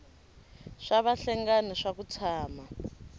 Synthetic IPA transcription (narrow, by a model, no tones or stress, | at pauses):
ʂaβaɬɛŋɡaniʂak̬ut͡sʰaːma